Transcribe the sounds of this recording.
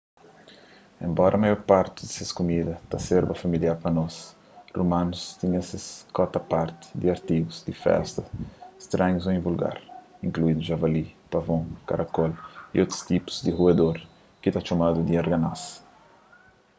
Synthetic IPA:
ḛ̃mbɔɾɐmajɔɾpaɾt̪ɪd̪iseskumid̪ɐt̪aseɾbɐfamiljaɾpɐnɔs | rumãnust̪iɲɛseskɔt̪ɐpaɾt̪ɪ̥d̪iaɾt̪iɡuzd̪ifɛ̰st̪ɐst̪ɾãɲuzõĩvulɡa̰ɾĩŋkluid̪uʒavalipavõka̰ɾʔakɔlḭʔot̪ɾu̥st̪ipu̥zd̪ihued̪oɾ | kit̪at͡ʃomad̪ud̪iaɾɡanas

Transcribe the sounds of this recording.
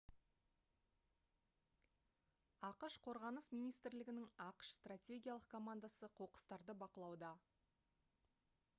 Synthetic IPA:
ɑqəʃqʰo̞ɾʁɑnəsmijnijst̪ɪɾlɪɡʲɪnɪŋɑqə̥ʃst̪ratʲe̞ɡʲijalˠəqkʰomand̪asəqʰo̞qə̥st̪ɑɾd̪əbɑqəlˠɑwd̪ɑ

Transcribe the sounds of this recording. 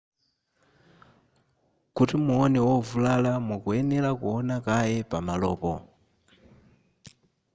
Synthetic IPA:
kutimuɔnɛwɔvulalamukuɛnɛlakuɔnakajɛpamalɔ̰ːpɔ̰

